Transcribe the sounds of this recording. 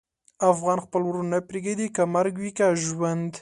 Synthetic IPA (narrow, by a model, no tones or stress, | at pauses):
afɣɑnxpəlwɾunajpɾeɡed̪ikamaɾɡwikaʒwand̪